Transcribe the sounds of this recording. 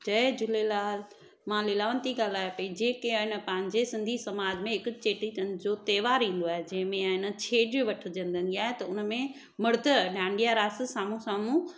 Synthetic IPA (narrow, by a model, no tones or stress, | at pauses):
d͡ʑɐd͡ʑʊlelaːl | mãlɪlaːʋənt̪iɡaːlaːjapɐĩd͡ʑeːkeɪnə̆pɐ̃ɦɪ̃ɲ̆d͡ʑesɪ̃nd̪ʱisɐmaːd͡ʑmẽɪkʊd͡ʑt͡ɕeːʈiənd͡ʑot̪eːʋaːɾĩːn̆d̪oaːɦed͡ʑɐ̃ɦɪ̃mẽɪnə̆t͡ɕʰeːɖiʋɐʈʰəd͡ʑə̃nd̪ʱə̃nd̪iaːɦet̪ɐʊnəmẽ | mɐɾd̪ʱəɖãːɳɖijaɾaːssaːmũsaːmũ